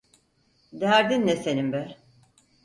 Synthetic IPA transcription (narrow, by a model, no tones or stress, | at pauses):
d̪æɾd̪ind̪ɛse̞nimbɛɾ